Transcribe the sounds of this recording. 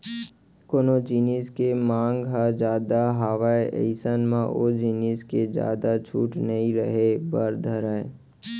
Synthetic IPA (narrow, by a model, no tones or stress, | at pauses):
koːnod͡ʒiniːskemãːŋɡɦad͡ʒaːd̪aɦaːʋaeʔə̰ɪsənmãʔod͡ʒiːniːsked͡ʒja̰ːd̪at͡ʃʰṵːʈnəɦĩɾəɦebəɾd̪ʱəɾae